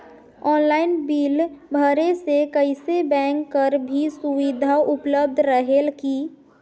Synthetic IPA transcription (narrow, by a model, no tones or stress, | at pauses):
ɔːnlaːɪnbiːlbʱəɾesekəɪsebɛ̃ːŋkːəɾbʱisʊʋid̪ʱaʔʊpləb̚d̪ʱɾəɦelki